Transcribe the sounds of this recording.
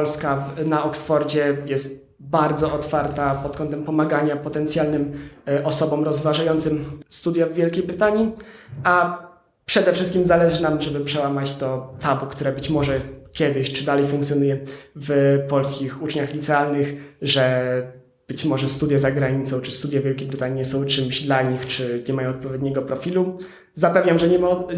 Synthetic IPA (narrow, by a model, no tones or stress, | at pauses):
ɔlskavnaɔksfɔɾd͡ʑɛjɛst̪ | baɾd̪zɔɔt̪faɾt̪apɔt̪̚kɔnt̪ɛmpɔmaɡaɲapɔt̪ɛnt̪sʲjalnɘmʔɔsɔbɔmɾɔzvaʐajɔnt̪sɘmst̪ud̪javːʲjɛlkʲejbɾɘt̪aɲia | pʂɛd̪ɛfʂɘst̪kʲimzalɛʐɘnamʐɛbɘpʂɛwamat͡ɕt̪ɔt̪abukt̪uɾɛbɘt͡ɕmɔʐɛkʲjɛd̪ɘɕt͡ʂɘd̪alɛjfũŋkt̪sʲjɔnujɛvpɔlskʲixut͡ʂɲaxlʲit̪sɛalnɘxʐɛ | b̥ɘt͡ɕmɔʐɛst̪ud̪jazaɡɾaɲit̪sɔ̃w̃t͡ʂɘst̪ud̪javʲjɛlkʲejbɾɘt̪aɲiɛsɔ̃w̃t͡ʂɘmʑd̪laɲixt͡ʂɘɲɛmajɔ̃w̃ɔt̪pɔvʲjɛd̪̚ʲɲɛɡɔpɾɔfʲilu | zapɛvɲamʐɛɲɛma